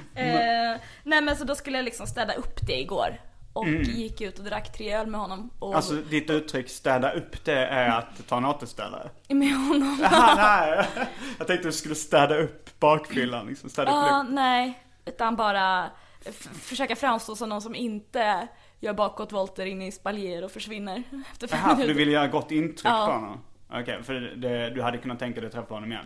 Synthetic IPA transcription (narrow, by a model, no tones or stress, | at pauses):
nɛːmɛnsɔd̪ɔskɵlːəjalɪksɔmst̪ɛːd̪aʔɵpːd̪ɛɪɡo̰ːɾʔɔkjɪkːʉ̟ːt̪ɔd̪ɾakːt̪ʰɾɪœlmɛhɔnːɔmʔɔalsɔd̪ɪt̪ʉ̟ːt̪ʰːɾʏkːst̪ɛːd̪aʔɵpːd̪ɛæɾat̪ʰːɑːnɑːt̪əst̪ɛ̰ːlːa̰dɛ̰ | mɛhɔnːɔmnɛ | jɑɡt̪ʰɛŋ̚t̪əd̪ɵskɵlːəst̪ɛːd̪aɵpːbɑːkfʏlːanlɪksɔmst̪ɛːd̪ɑːnɛɪ | ʉ̟ːt̪anbɑːɾa | fœʂøːkafɾamst̪oːsɔmnɔnsɔmɪnt̪ə | jœːɾbɑːkːɔt̪vɔlt̪əɾɪnːɪspaljeːəɾɔfœʂvɪnːəɾɛft̪əɾfɛmmːnʉːd̪ɵɪlːəjœːɾaɡɔt̪ːɪnt̪ʰɾʏkːɾhɔnːɔ̰mʔɔ̰kʰɛfəd̪ɛd̪ɵhad̪ːəkʰɵnːat̪ʰːɛŋkad̪ɛt̪ʰɾɛfaɾhɔnɔmɪjɛ̰nː